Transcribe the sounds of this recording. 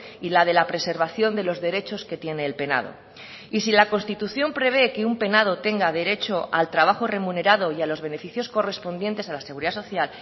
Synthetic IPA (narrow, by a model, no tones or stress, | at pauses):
ilað̞e̞lapɾe̞se̞ɾβaθjo̞nd̪e̞lo̞zðe̞ɾe̞t͡ʃo̞ske̞t̪je̞ne̞ːlpe̞na̰ð̞o̰ | isilako̞nst̪it̪uθjo̞mpɾe̞β̞e̞keumpe̞nað̞o̞t̪e̞ŋɡað̞e̞ɾe̞t͡ʃo̞a̰lt̪ɾaβ̞axo̞re̞mune̞ɾað̞o̞ialo̞zβ̞e̞ne̞fiθjo̞sko̞re̞spo̞nd̪je̞nt̪e̞salase̞ɣuɾiðaso̞θjal